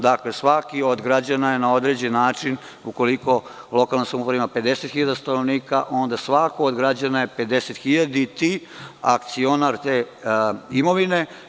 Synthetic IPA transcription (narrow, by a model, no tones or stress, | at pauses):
d̪aklesʋakio̞d̪ɡɾad͡ʑanaje̞nao̞d̪ɾe̞d͡ʑenːaːt͡ʃin | uko̞liko̞lˠo̞kalˠnimsamupɾaʋimape̞d̪e̞set̪xiʎad̪ast̪anoʋniːkaʔo̞nd̪asʋakood̪ɡɾad͡ʑanajepe̞d̪e̞set̪xiʎad̪it̪i | a̰kt̪sio̞naɾt̪eː | imo̞ʋine̞